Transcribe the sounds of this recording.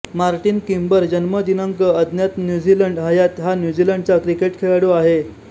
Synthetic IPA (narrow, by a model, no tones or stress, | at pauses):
maɾʈiːnkimbəɾd͡ʑənməd̪inəŋkəəd̪ʱnjat̪njud͡ʑiləɳɖɦəjat̪ɦanjud͡ʑiləɳɖ̚t͡sakɾikeʈkʰeɭaɽoaɦe